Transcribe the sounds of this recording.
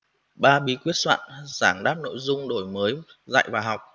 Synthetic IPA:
ɓaː˧ɓi˨˦kwi˦˥ət̚swa̰ː˧˨nz̥aː˧˩ŋɗaː˦˥p̚no̰˧˨jzʊ˧ŋ͡mɗo˧˩jməː˨˦j | za̰ː˧˨jvaː˨˩ɦa˨˩wk͡p̚

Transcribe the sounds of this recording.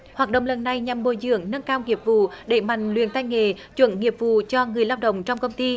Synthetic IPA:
hwaː˨˩t̚ɗə̰˧˨wŋ͡mlə˨˩nːa˨˩jɲa˨˩mːo˨˩jzɨ̰˧˨˦əŋnə˧nkaː˧wŋi˨˩əp̚vṵ˧˨ɗe˧˩ma̰˧˨jŋ̟lwḭ˧˨ənt̪a˧jŋe˨t͡ɕwə̰˧˦nŋi˨˩əp̚vṵ˧˨t͡ɕɔ˧ŋɨ˨˩əjlaː˧wɗə̰˧˨wŋ͡mt͡ɕɔ˧wŋ͡mkə˧wŋ͡mt̪i˧

